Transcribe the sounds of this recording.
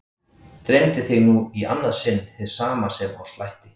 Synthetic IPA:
t̪ɾejmt̪ɪθɪɣnuia̰nːaðsɪnːhɪðsaːmasɛma̰wslajht̪ɪ̥

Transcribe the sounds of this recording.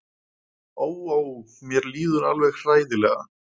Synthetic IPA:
oːwaw | mjɛɾliːðʏɾalvɛɣr̥aːjðɪlɛɣa̰

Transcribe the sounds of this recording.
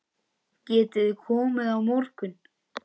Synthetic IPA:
cɛːt̪ɪðkʰɔːmɪðawmɔwr̥kʏn

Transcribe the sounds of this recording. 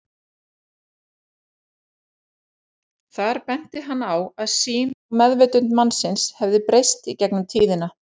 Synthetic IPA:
θaɾ̥pɛn̥t̪ɪɦanːawaðsiːnɔmɛðveːt̪ʏnt̪manːsɪnshɛvðɪpɾejst̪icɛknʏmt̪ʰiːðɪna

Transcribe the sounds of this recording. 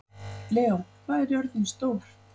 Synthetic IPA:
lɛːowkʰvaːðɛɾjœɾðɪnst̪owɾ̥

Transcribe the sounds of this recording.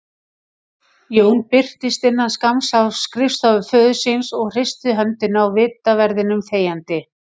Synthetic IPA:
joːwnpɪr̥t̪ɪst̪ɪnːanskamsavskɾɪfst̪avʏfœːðʏsinsɔɣr̥ɪst̪ʏɦɛnt̪ɪnawvɪːt̪avɛɾðɪnʏmfeːjant̪ɪ

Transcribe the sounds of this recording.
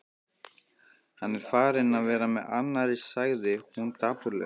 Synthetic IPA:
hanːɛɾ̥faːɾɪnaðvɛːɾamɛða̰nːaɾisaɣðɪumt̪ʰaːpʏɾlɛ̰

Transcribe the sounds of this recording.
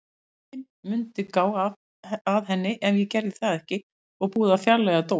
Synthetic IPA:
ɪn | mʏnt̪ɪkaːwa | aðɦɛnːɪʔɛnvjɛcɛɾðɪθaðɛhcɪ | ɔɣpuːðafjaɾlːɛɣat̪o

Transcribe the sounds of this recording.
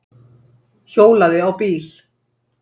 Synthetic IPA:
çoːwlaðɪawpiːɾ̥

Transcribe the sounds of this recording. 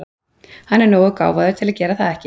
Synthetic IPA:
hanːɛɾnoːwðʏka̰ːwvaðʏɾt̪ʰɪlaðcɛːɾaθaðɛhcɪ

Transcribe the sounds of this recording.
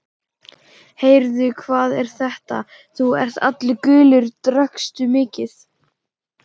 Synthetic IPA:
heːjɾðʏkʰvaːðɛɾ̥θɛht̪a̰ | θuɛ̰r̥t̪a̰t̪lɪkʏːlʏɾt̪ɾœkst̪ʏmɪːcɪθ

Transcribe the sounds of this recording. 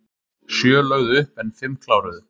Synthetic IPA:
sjœːlœːɣðʏhpɛnfɪmkʰlawɾʏðʏ

